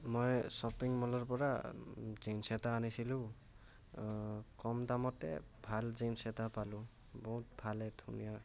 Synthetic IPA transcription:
mɔjsɔpiŋmɔlɔɹpɔɹa̰zinsɛtaːnisilʊ̃ | kɔmdamɔtɛ̰ | bʱalzinsɛtapalʊ̃ | bɔɦut̚bʱalɛdʰṵnija

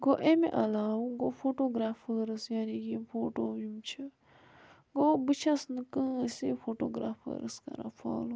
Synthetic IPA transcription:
ɡoʔemḛ̃ʔɐlaːwuɡofʰoːʈoːɡɾaːfʰəɾɨsjaːniɡifʰoːʈoːjumt͡ʃʰi | ɡobɨt͡ʃʰasnɨkə̃ːsifʰoːʈoːɡɾaːpʰə̰ːɾəskɐ̰ɾa̰pʰa̰ːlu

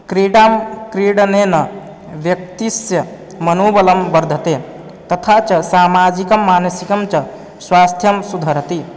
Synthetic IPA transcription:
kɾiɖamkɾiɽnenʌ | bjək̚t̪isjə | mənobələmbəɾd̪ʱət̪e | t̪ət̪ʰat͡ʃəsamad͡ʒikəmːansikəmt͡ʃʌ | swast̪ʰjəmsud̪ʱəɾət̪i

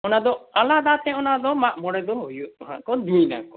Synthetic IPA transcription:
ɔnad̪ɔalad̪at̪ɛ̃ɔnad̪ɔmaʔmɔɽɛd̪ɔɦojuɦã̰kɔd̪ijna̰kɔ

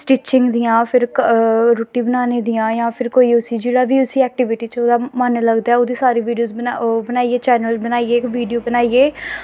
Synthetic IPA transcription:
sʈiːt͡ʃɪ̃ŋɡd̪ɪjãːpʰɪɾkɾoːʈiːbənaːneːd̪ɪjãːjãːpʰɪɾkoːiːʊsiːd͡ʒeːɽaːbiːʊsiːɛːk̚ʈɪʋɪʈiːt͡ʃoːd̪aːmənləɡd̪aːɛod̪iːsaːɾiːʋiːɖijoːzabənaːieːt͡ʃɛːnəlzbənaːiːeːʋiːɖijoːbənaːieː

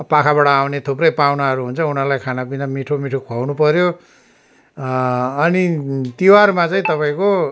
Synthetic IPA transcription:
pakʰaβaʈʌːwnet̪ʰuprʌjpawnaɦʌɾuɦunt͡sʰʌunʌrlajkʰanapinamiʈʰomiʈʰokʰoawnupʌɾjo | ʌnit̪iwarmat͡saĩt̪ʌpaĩko

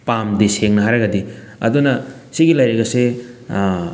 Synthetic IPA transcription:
pamdiseŋnɐɦaɾɐɡɐdi | ɐ̰dunɐsiɡilajɾɐɡɐse

